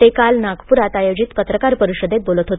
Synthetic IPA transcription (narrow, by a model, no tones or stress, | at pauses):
ekalnaɡpuɾat̪ajod͡ʑit̪pət̪ɾəkaɾpəɾiɕəd̪et̪̚bolət̪ɦot̪